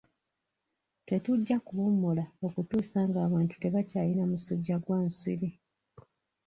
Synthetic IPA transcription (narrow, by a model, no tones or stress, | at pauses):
twe̞tuɟːakuβumːulao̞kutuːsaːŋɡaːβaːntu̥te̞βacaːlinamusuɟːaɡwaːnsḭɾi